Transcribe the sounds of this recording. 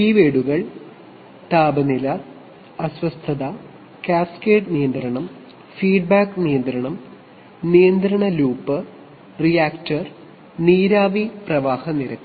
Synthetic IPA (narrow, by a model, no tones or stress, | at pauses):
iːʋeːɽuɣɐɭ | t̪aːbɐnilɐ | ɐswɐst̪ʰɐðɐ | kaːskeːʈnijɐnd̪ɾɐɳɐm | fiːɖ̚baːknijɐnd̪ɾɐɳɐm | nijɐnd̪ɾɐɳɐluːpːɨ | rijaːkʈɐr | niːɾaːʋiprɐʋaːhɐniɾɐk̪ː